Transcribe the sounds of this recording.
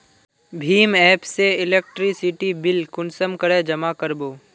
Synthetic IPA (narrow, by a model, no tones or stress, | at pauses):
bʱiːmɛːpseɪleːk̚ʈɾisɪʈibɪlkʊnsəmkəɽed͡ʒɐmakəɾboː